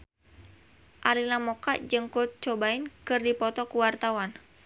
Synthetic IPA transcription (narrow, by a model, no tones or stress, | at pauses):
ʔalinamɔka̰ʔd͡ʒɨŋkult̪̚t͡ʃɔbainkɨrdipɔt̪ɔkuwart̪awan